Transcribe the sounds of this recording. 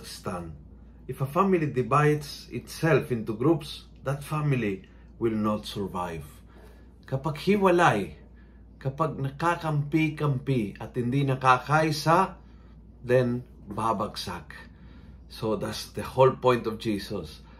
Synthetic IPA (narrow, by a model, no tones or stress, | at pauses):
st̪ãn | ɪfəfamilid̪ivajdsɪ̰t̪sɛlfɪ̃nt̪uɡɾups | d̪at̪famili | wɪlnɔt̪səɹvajv | kapaɡhiwalaj | kapaɡ̚nakakampikampiat̪ɪ̃nd̪inakakajsa | d̪ɛ̃n | babaksa̰k | sod̪atsd̪əholpɔ̃jnt̪ɔfd͡ʒisɔs